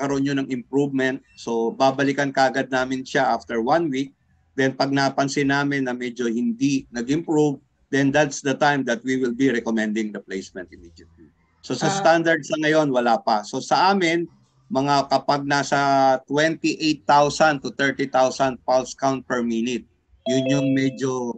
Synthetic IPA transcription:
kɐɾoʔonjonɐŋɪmpɹuvmɛnt̪̚so̞baːbɐlɪkɐnkɐʔɐɡad̪̚naːmɪnʃaʔaft̪ɛɹwãnwik̚ | d̪ɛnpɐɡ̚naːpɐnsɪnaːmɪnːɐmɛd͡ʒo̞hɪnd̪inɐɡɪmpɹuv | d̪ɛnd̪at̪sd̪ɐt̪ajmd̪ɐt̪̚wiwɪlbiɾɛkomɛnd̪ɪŋdɐplejsmɛnt̪̚ɪmid̪jɐt̪̚li | so̞sɐst̪and̪ɐɹd̪sɐŋɐjo̞nwɐlaːpɐso̞sɐʔaːmɪn | mɐŋakɐpaɡ̚nasɐt̪wɛnt̪iʔejt̪ːawsɐnt̪ʊt̪ɛɹt̪it̪awsɐnd̪̚palskawnt̪̚pɛɹminɪt̪̚ | jʊnjʊŋmɛd͡ʒo̞

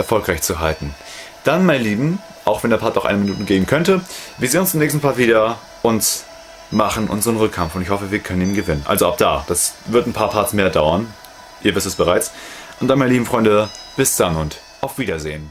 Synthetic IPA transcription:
ʔɛɐfɔlkʁaɪçt͡suɦaltn̩ | d̥anmaɪnliːbm̩ | ʔaʊxv̥ɛndeːɐpʰaɐtnoʊχʔa̰nəminuːtəɡeːbn̩kʰœntəviːɐzeːnʊnst͡sɪmnɛːçstn̩pʰaːviːdɐ | ʔʊnt | maχn̩ʔʊ̰nzəʁənʁʏkʰːamfʊntɪçhɔfəviːɐkʰœnəniːnɡəvɪnənʔa̰lzoʔapd̥a̰ːd̥asvɪɐtn̩pʰaːɐpʰaɐsmeːɐdaʊɐn | ʔiːɐvɪstɛsb̥əʁaɪt͡sʔʊntd̥anmanəlibm̩fʁ̥ɔʏndəb̥ɪsd̥anʊnt | ʔaʊfv̥iːdɐzḛːən

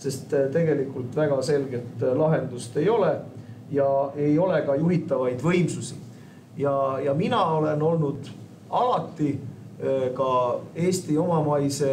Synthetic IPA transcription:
se̞st̪t̪e̞ɡe̞likːˑult̪væɡ̥ɑse̞lɡe̞t̪ˑlɑɦe̞nd̪ust̪e̞jo̞le | jɑe̞jo̞le̞kɑjuɦit̪ːˑɑvɑjd̪vɤjmsusi | jɑjɑminɑo̞le̞no̞lnud̪̥ | ɑlɑt̪ːˑi | kɑe̞ːst̪io̞mɑmɑjse̞

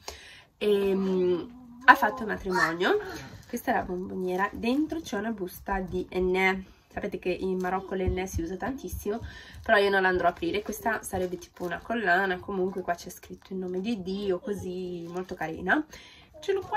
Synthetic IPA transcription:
em | afːat̪ːolmat̪ɾimɔnjokwest̪aɛɾa̰bomboɲjɛːɾad̪ent̪ɾot͡ʃɛunabust̪ad̪iʔɛnːɛ | sapeːt̪ek̟eʔilmaɾɔkːoleɛnːɛsiuːzat̪ant̪isːimopeɾɔiːonõnland̪ɾɔapɾiːɾekwest̪asaɾɛbːet̪i̥ːpounakolːaːnakomuŋkwekwat͡ʃːɛskɾit̪ʰːoilnoːmed̪id̪iːokozimolt̪okaɾḭːna | t͡ʃeloka

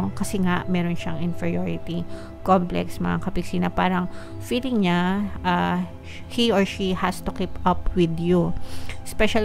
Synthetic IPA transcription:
kɐsɛŋaʔmɛːɾonʃɐŋɪnfɛɹijoɹɪt̪i | komplɛ̰ksmɐŋakɐpɪɡsiːnɐpaːɾɐŋ | filɪŋɲaʔa | hioɹʃihast̪ʊkipʔɐpwɪd̪juspɛʃɐl

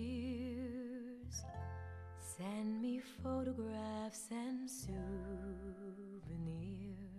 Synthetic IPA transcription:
z̥ | sɛ̃nmifoʊɾɔɡɹæfsɨ̃nsu | vɨnɪɹ

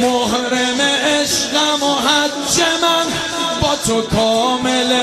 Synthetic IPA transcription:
moɦɾemeeʃɣamoɦa | t͡ʃema | bɔtokɔmele

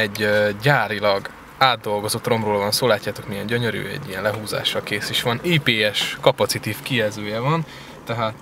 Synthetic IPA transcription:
ɛɟːaːɾilɒɡ | aːd̪ːo̞lɡo̞zo̞t̪ro̞mroːlvɒnsoːlaːcːaːt̪o̞kmijɛɲɟøɲøɾy̰ːɛ̰ɟːijɛnlɛɦuːza̰ːʃɒkeːsiʃʋɒniːpeːɛʃkɒpɒt̪sit̪iːfkiɛzøːjɛvɒn | t̪ɛɦaːt̪

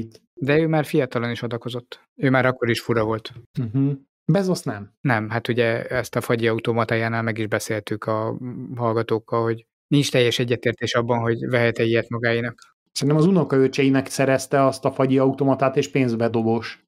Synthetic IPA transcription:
it̪ | d̪ɛøːmaːrfijɒt̪ɒlɒniʃod̪ɒko̞zo̞t̪ː | øːmaːɾɒkːo̞ɾiʃfuɾɒvo̞lt̪m̩ɦ̩ | bɛzosnɛmnɛmɦat̪uɟɛɛst̪ɒfɒɟiɒut̪oːmɒt̪aːjaːnaːlmɛɡiʒbɛseːlt̪ykʰɒɦɒlɡɒt̪oːkːɒlho̞ɟ | nint͡ʃt̪ɛjːɛʃɛɟːɛt̪eːrt̪eːʃɒbːɒnɦo̞ɟvɛɦɛt̪ɛijɛt̪mɒɡaːjinɒk | sɛnt̪ɛmɒzunokɒøt͡ʃɛjinɛksɛɾɛst̪ɛɒst̪ɒfɒɟiɒut̪oːmɒt̪aːt̪eːʃpeːnzbɛd̪o̞ɡoʃ

